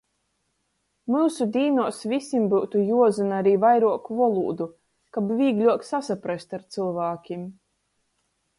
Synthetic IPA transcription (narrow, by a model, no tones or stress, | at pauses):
muːsud̪ʲiːnuɔsvʲisʲimbuwt̪ujuɔzɨnaɾiːvajɾuɔkuvɔlˠṵːd̪u | kabvʲiːɡlʲuɔksasapɾast̪aɾt̪sɨlˠvaːkʲim